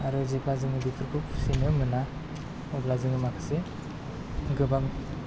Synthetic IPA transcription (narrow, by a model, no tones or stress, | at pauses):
aɾɯzeblazɯŋɯbitʰɯɾkʰupsinɯmɯna | ɔblazɯŋɯmakʰɯ̥se | ɡɯbaŋ